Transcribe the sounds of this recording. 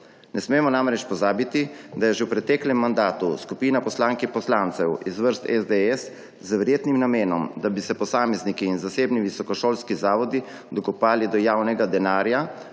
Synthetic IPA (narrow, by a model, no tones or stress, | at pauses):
nɛsmeːmɔnamɾɛt͡ʃpɔzaːbit̪id̪ajɛʒɛwpɾɛt̪ɛklɛmːand̪aːt̪uskupiːnapɔslaːŋkipɔslaːnt̪sɛwizʋəɾst̪ɛzd̪eɛs | zʋɛɾjeːt̪nimnameːnɔmd̪abisɛpɔsaːmɛznikiːnzaseːbniʋisɔkɔʃoːlskizaːʋɔd̪i | d̪ɔɡɔpaːlid̪ɔjaːwnɛɡad̪ɛnaːɾja